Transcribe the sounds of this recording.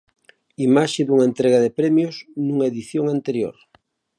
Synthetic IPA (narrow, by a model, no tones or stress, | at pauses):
imaʃeðuŋaent̪ɾeɣaðepɾɛmjosnuŋaeðiθjoŋant̪eɾjo̰ɾ